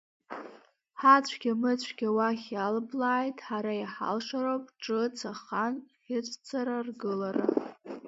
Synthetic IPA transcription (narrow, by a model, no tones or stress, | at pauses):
ħat͡ɕʷʰɡʲamɨt͡ɕʷʰɡʲawaχʲalblaːjtʼħaɾajaħa̰lʂaɾowpʼʈ͡ʂʼɨt͡sʰaχanħɪt͡ɕʷʼʰt͡sʰaɾarɡɨlaɾa